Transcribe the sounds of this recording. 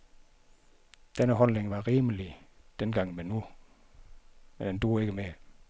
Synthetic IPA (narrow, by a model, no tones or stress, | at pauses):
d̥enəɦɒ̽lneŋʋɑ̈ʁiːməlid̥enɡ̥ɑ̈ŋ̰menu | med̥end̥oːeɡ̥əme